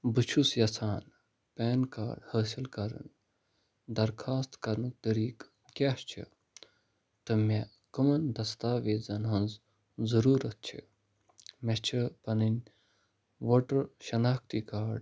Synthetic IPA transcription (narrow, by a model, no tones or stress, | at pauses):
bɨt͡ʃʰusjɐsaːn | pʲɛːnka̰ːɖhəːsilkɐɾɐ̰n | d̪ɐɾkʰaːst̪kɐɾnɨk̚t̪əɾiːk | kʲast͡ʃʰḭ | t̪ɨmʲe | kɐmɐnd̪ɐst̪aːʋeːzɐnɦɐnz | zɐɾuːɾɐt̪̚t͡ʃʰḭ | mɐt͡ʃʰipɐnɨnʲ | ʋoːʈɐɾʃɐnaːkʰt̪ikaːɖ